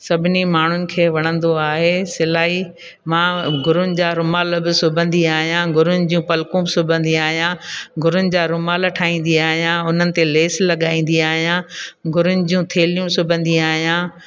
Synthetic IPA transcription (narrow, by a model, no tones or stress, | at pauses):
sɐbʱɪnimaːɳ̤ʊnɪ̆kʰeːʋɐɽ̃ə̃nd̪oaːɦeːsɪlaːɦi | mãːɡʱʊɾʊnɪ̆d͡ʑaːɾʊmaːlbɪsʊbʱə̃nd̪iaːɦijãɡʱʊɾʊnɪ̆d͡ʑijũpɐlkũːbɪsʊbʱə̃nd̪iaːɦijãːɡʱʊɾʊnɪ̆d͡ʑaːɾʊmaːlɐʈʰaːĩːnd̪iaːɦijãʊn̤ənɪ̆t̪eleːslɐɠaːĩːn̆d̪iaːɦijãːɡʱʊɾʊnɪ̆d͡ʑiũt̪ʰeːlijũsʊbʱə̃nd̪iaːɦijãː